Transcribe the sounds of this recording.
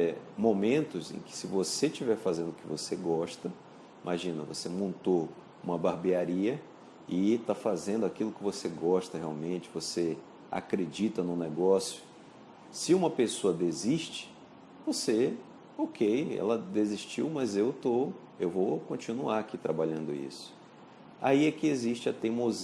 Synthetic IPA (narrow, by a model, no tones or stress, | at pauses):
ɛmõmẽnt̪ʊzḛ̃kɪ̥sɪvoseʃt͡ʃivɛɾfazẽnd̪ʊkɪvoseɡɔʃt̪ɐ | imaʒĩnɐvo̰semõnt̪o | ũmɐbaɾbiaɾiɐ | ɪt̪afazẽnd̪ʊakilʊkɪvoseɡɔʃt̪ɐhea̰wmẽt͡ʃɪvose | a̰kɾed͡ʒit̪ɐnʊ̃nɛɡɔsjʊ̥ | sɪũmɐpesoɐd̪eziʃt͡ʃɪ̥ | vose | okʰejɛ̰lɐd̪eziʃt͡ʃiwmɐzewt̪o | ewvokõt͡ʃinuaɾakit̪ɾabaʎɐ̃nd̪ʊḭsʊ̥ | a̰iɛkɪeziʃt͡ʃɪɐt̪emoz